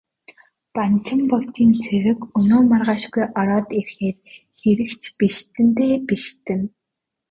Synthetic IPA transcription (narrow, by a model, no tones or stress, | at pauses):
pant͡ɕʰɪ̆mpɔt̪iːnt͡sʰeɾɘ̆kɵnoːmarʁaːʃɡujʔɔɾɔːt̪irxeːr | xeɾɘ̆kt͡ɕpiʃt̪ɘ̆nt̪eːpiʃt̪ɘ̆n